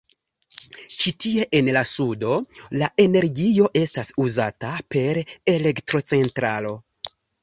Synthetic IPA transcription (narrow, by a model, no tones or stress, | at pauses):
t͡ʃitie̞ʔenlasudo̞laʔe̞ne̞ɾɡijo̞ʔe̞stasuzatape̞ɾe̞le̞ktɾo̞t͡se̞ntɾa̰lo̞